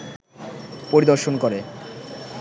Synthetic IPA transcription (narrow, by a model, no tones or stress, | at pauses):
poɾid̪oɾʃonkoɾe